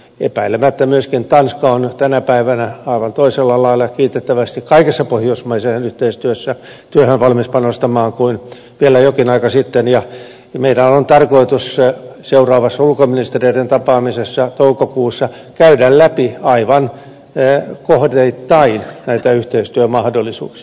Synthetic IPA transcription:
epæilemæt̪ːæmyøskint̪ɑnskɑont̪ænæpæiʋænæɑiʋɑnt̪oiselːɑlɑilːˑɑkiːt̪et̪ːæʋæst̪ikkɑikesːɑpohjoismɑisenyht̪eist̪yøsːæ | t̪yøhønʋɑlmispɑnost̪ɑmɑːŋkuin | ʋielæjokinɑikɑsit̪ːenjɑ | meidæont̪ɑrkoit̪usseurɑːʋɑsːɑulkominist̪erieident̪ɑpɑːmisesːɑt̪oukokuːsːɑ | kæydællæpiɑiʋɑn | kohdeit̪ːɑinnæit̪æyht̪eist̪yømɑhdolːˑisṵːksi̥ɑ

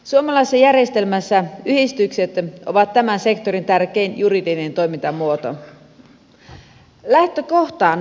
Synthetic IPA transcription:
suomɑlɑisːɑjærjest̪elmæsːæyhist̪ykset̪o̰ʋɑt̪ːæmænse̞kt̪oɾint̪ærkeinjuridinent̪o̞jmint̪ɑmuot̪o̰ | læht̪økoht̪ɑːn

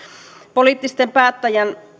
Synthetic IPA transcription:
poliːt̪ːist̪empæːt̪ːæjæn

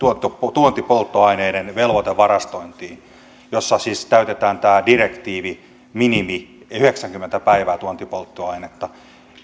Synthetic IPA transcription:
t̪uot̪ːopot̪uont̪ipolt̪ːoɑineidenʋelʋot̪eʋʋɑrɑst̪oint̪iːn | josːɑsiːskæyt̪et̪æːnt̪æːdirekt̪iːʋi | minimi | yheksæŋkymːent̪æpæiʋæːt̪uont̪ipolt̪ːoɑinet̪ːɑ

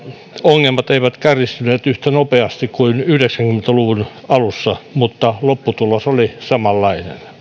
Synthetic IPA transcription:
oŋːelmɑt̪eiʋæt̪kærist̪yneːt̪yht̪ænopeɑst̪ikkuinyhdeksæŋkymːent̪æluʋunɑlusːɑmut̪ːɑlopːut̪ulosolisɑmɑlːɑinḛn

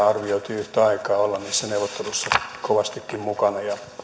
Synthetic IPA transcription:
ɑrʋioit̪iyht̪æɑikɑːolːɑnniːsːæneuʋot̪ːelusːɑkoʋɑst̪ikːimmukɑnɑjɑ

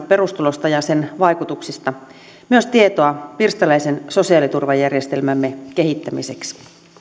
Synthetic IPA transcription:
perust̪ulost̪ɑjɑsenʋɑikut̪uksist̪ɑ | myøst̪iet̪oɑpirst̪ɑlæisenso̞siɑːˑlit̪urʋɑjærjest̪elmæmːeke̞hit̪ːæmḭseks

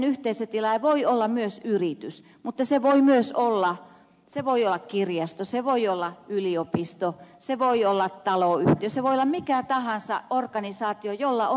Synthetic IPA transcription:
nyht̪eisøt̪ilɑjʋoiolːɑmyøsyrit̪ys | mut̪ːɑseʋoimyøsolːɑ | seʋoiolːɑkkirjɑst̪oseʋoiolːɑyliopist̪o | seʋoiolːɑt̪t̪ɑloyht̪iøseʋoijolːɑmmikæt̪ɑhɑnsɑ̰orkɑnisɑːt̪iojolːɑo

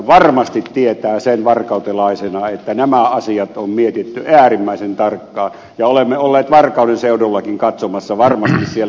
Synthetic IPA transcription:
ʋɑrmɑst̪it̪tiet̪æːsenʋɑrkɑˑut̪elɑˑisenɑet̪ːænæmæɑsiɑt̪ommiet̪it̪ːyæːrimːæˑisent̪ɑrkːɑː | jɑolemːeolːeːt̪ʋɑrkˑɑˑunenseudolːɑkiŋkɑt̪somɑsːɑʋɑrmɑst̪issie

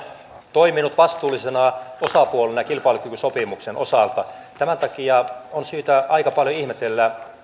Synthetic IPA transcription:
t̪oiminut̪ʋɑst̪uːlːˑisenɑosɑpuolenɑjɑkilpɑilukykysopimuksenʔosɑlt̪ɑ | t̪æmænt̪ɑkiɑonsyːt̪æʔɑikɑpɑljoihmet̪elːæ

